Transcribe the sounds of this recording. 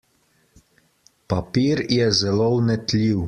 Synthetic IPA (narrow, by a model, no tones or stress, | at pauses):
papiːɾjɛzɛlownɛt̪lʲiw